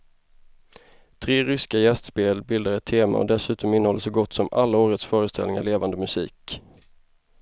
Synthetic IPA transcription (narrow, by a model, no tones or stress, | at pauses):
t̪ʰɾeːɾʏskajɛst̪speːlbɪld̪aɾɛt̪ʰːeːma̰ɔ̰d̪ɛsʉ̟ːt̪ɔmɪnːəhɔlːəsɔɡɔt̪ːsɔmalːaoːɾət̪sfœːɾəst̪ʰɛlɪŋa̰ɭeːvand̪əmɵsḭːk